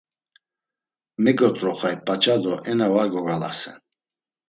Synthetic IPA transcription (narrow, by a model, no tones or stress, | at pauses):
mɛɡɔt̪ʼɾɔχajpʼat͡ʃʼad̪ɔʔɛnavaɾɡɔɡala̰sɛ̰n